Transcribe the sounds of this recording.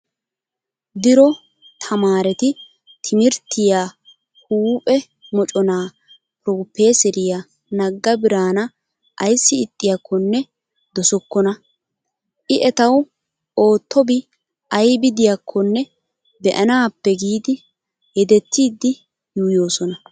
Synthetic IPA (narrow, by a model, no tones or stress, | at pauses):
d̪ɪɾɔ | t̪ʰɐmaːɾɛt̪ɪ | t̪ʰɪmɪɾt̪ːɪja | huːpʼɛ | mɔt͡ʃʼɔnaː | pɾoːpːeːsɛɾɪja | nɐɡːɐbɪɾaːnɐ | ʔɐjsːɪːt̪ʼːɪjɐkʰːɔnːɛ | d̪ɔsɔkːɔnɐ | ʔɪʔɛt̪ɐw | o̞ːt̪ʰːɔbɪ | ʔɐjbɪd̪ɪjɐkʰːɔnːɛ | bɛʔɐnaːpːɛɡiːd̪ɪ | hɛd̪ɛt̪ʰːiːd̪ːɪ | juːjo̞ːsɔnɐ